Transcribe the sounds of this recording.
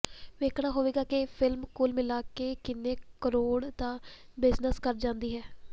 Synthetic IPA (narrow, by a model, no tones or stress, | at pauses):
ʋeːkʰɽ̃aːɦoːʋeːɡaːkɪpʰɪlmkʊːlmɪlaːkeːkɪnːẽːkəɾoːɽt̪ãː | bɪznəskəɾd͡ʒãːnd̪iːɦɛː